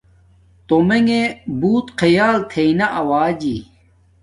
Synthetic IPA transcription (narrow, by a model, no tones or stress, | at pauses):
t̪omeŋebuːt̪qʰɐjaːlt̪ʰeinɐʔɐwaːd͡ʑi